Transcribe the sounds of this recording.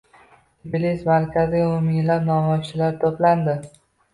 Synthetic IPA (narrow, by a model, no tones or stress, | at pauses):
blismaɾkʲʰazimʊmɪŋlapnɒmɒjt͡ʃʰɪlaɾt̪ʰopland̪ɪ